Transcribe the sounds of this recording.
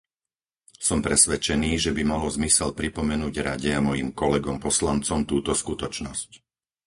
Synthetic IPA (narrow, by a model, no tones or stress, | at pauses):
sɔmpɾɛsʋɛt͡ʃɛniːʒɛbimalɔzmisɛlpɾipɔmɛnuːɟɾa̰ɟɛamɔjimkɔlɛɡɔmpɔslant͡sɔmt̪uːt̪ɔskut̪ɔt͡ʃnɔsc